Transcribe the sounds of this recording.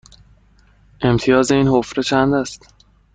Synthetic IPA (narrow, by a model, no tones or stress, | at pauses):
ʔe̞mt̪ʰijɒːze̞iːnhofɾet͡ʃʰænd̪æst̪